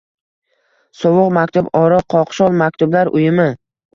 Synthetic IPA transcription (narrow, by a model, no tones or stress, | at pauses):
sɒwʊqmakʲt̪ʰʊbɒɾɑqʰɒqʃɒlˠmak̚ʲt̪ʊblaɾʔʊjɪmɪ